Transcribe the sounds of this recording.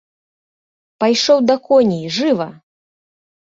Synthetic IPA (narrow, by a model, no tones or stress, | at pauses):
pajʂɔwd̪ɐkɔnʲiʐɨvɐ